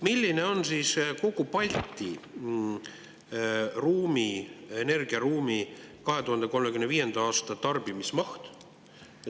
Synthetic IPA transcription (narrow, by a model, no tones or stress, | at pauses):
milʲːine̞o̞nsiːsko̞kupɑlʲt̪ːi | ruːmie̞ne̞rɡ̥iɑɾuːmikɑɦe̞t̪uhɑnd̪̥e̞ko̞lmekymnviːje̞nd̪̥ɑɑːst̪ɑt̪ɑrb̥imismɑht̪